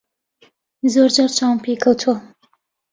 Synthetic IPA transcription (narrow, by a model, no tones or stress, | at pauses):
zoɾd͡ʒɑːɾt͡ʃʰaːwmpʰekʰɐwt̪ʰuɐ